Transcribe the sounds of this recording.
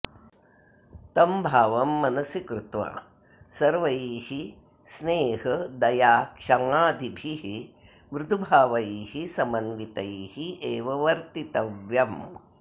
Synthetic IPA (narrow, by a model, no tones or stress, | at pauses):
t̪ɐmbʱaːʋɐmːɐnɐsjikɾɪt̪ʋa̰ | sɐɾʋɐjiːhi | sneːɦɐd̪ɐjaːkʂɐŋaːd̪ʱibʱiɦi | ʋɾud̪ʱubʱaːʋɐjiːhisɐmɐnʋit̪ɐhieːʋɐʋɐɾt̪it̪ɐʋjɐm